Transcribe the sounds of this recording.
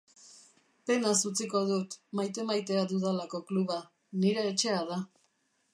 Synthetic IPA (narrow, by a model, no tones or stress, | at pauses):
pe̞nasut͡siko̞ðut̪majt̪e̞majt̪e̞ad̪uðalako̞kluβa | niɾe̞ːt͡ʃe̞að̞a